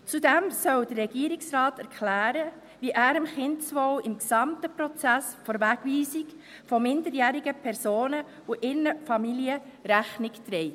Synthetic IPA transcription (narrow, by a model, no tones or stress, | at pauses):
t͡sudɛmsœwd̥əɾːɛɡ̥iːɾɪksɾɑːtɛɾkʰlæːɾə | viʔæːɾəmχɪnsʋɔwɪmksɑmtəpɾɔt͡sæsfɔɾvæɡ̥viːsɪk | fɔmɪndəɾjæːɾiɡəpʰɛɾsoːnə | uʔɪnəfɑmiliəɾæχnɪkt̪ɾɛɪt